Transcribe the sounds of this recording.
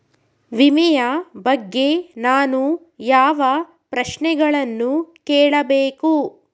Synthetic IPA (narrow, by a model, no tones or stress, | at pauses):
ʋimɛjɐbɐɡːe̞naːnu | jaːʋɐ | pɾɐʃnɛɡɐɭɐnːukɛːɭɐbeːku